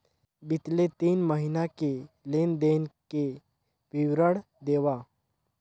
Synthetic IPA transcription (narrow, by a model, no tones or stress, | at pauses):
bɪt̪let̪iːnməɦinake | leːnd̪eːnke | pɪwɾəɽ | d̪eːʋaː